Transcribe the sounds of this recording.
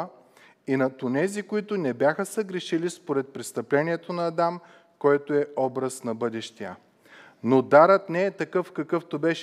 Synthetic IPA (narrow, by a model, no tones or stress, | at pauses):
inɐt̪ʊnɛzikoit̪ʊnɛbjaxəsəɡɾɛʃilispoɾɛt̪̚pɾɛst̪ɐplɛniɛt̪onɐːd̪am | kɔjt̪oɛɔbɾɐsnɐbɤd̪ɛʃt̪ijə | nod̪aɾət̪nɛɛt̪ɐkɤfkɐkɤft̪obɛʃ